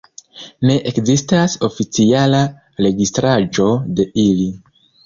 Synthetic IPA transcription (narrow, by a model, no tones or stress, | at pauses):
ne̞ʔekzistaso̞fit͡siala | ɾe̞ɡistɾad͡ʒo̞de̞ili